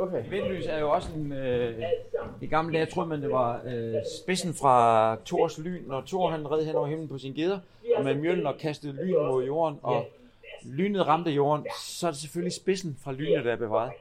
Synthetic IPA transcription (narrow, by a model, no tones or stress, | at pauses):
ʋenly̰ːsæɐjo̝ɒ̽səen | eɡ̥ɑ̈ml̩d̥ɛ̰ːt͡sʰʁo̝ːðˠmænd̥e̝ʋɑ̈sb̥e̝sn̩fʁɑ̈t͡sʰo̝ɐsly̰ːnːɒt͡sʰo̝ɐɦænʁɛð̞̰ˠhenɒʊɐem̰n̩pʰɒ̽sinɡ̥e̝ð̞ˠɐ | ɒmemjøln̩ɒ̽kʰæsd̥əð̩ˠly̰ːnmo̝ð̞ˠjo̝̰ːɐnɒ̽ | ly̰ːnð̩ˠʁɑ̈md̥əjo̝̰ːɐnsɒ̽æɐd̥e̝seføllisb̥e̝sn̩fʁɑ̈ly̰ːnəð̩ˠd̥æɐb̥eʋɑ̈ːð̩ˠ